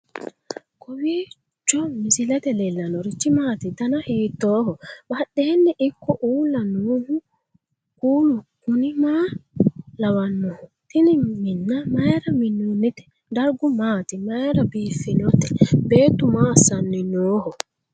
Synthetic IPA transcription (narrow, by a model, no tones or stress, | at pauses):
kɔwiː | t͡ʃːɔmisilat̪ɛlɛlːanɔɾit͡ʃːimaːt̪it̪anahiːtɔːhɔɓaɗːɛːnːɛʔikːɔʔuːlanoːhu | kuːnɔkunimaː | lawanːɔhɔtiniminːamajɾaminːunːitɛ̥ | daɾɡumaːt̪imajɾabiːfinɔt̪ɛbeːt̪umaːsanːinɔːhɔ